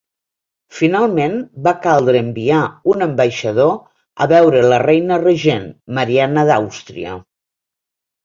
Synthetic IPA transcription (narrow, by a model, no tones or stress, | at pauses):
finalˠmenbakalˠd̪ɾəːmbiaunəmbəjʃəð̞o | ə̰βɛwɾələrɛjnərəʒenməɾianəðawst̪ɾḭə̰